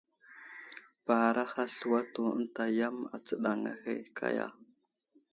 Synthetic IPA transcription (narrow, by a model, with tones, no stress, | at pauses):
pa˨ɾa˦xa˦ɬu˨wa˦to˨ə̰˦n˦ta˨ja˦ma̰˨t͡sə˦ɗa˨ŋa̰˦xe˦kʰa̰˦ja̰˦˨